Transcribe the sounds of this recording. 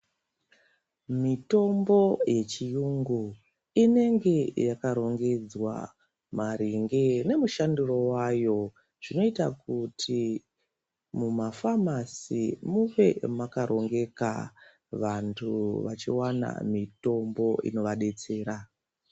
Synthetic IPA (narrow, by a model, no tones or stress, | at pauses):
mito̞mbo̞je̞t͡ʃijuŋɡu | ine̞ŋɡe̞jakaɾo̞ŋɡe̞d͡zwa̰ | maɾiŋɡene̞muʃanduro̞wajo̞ | ʐ̥ino̞itakutʰi | mumafamasimuʋe̞makaɾʔo̞ŋɡe̞ka̰ | ʋantʰuʋat͡ʃiwana̰mito̞mbo̞ḭno̞ʋaɗe̞t͡se̞ːɾa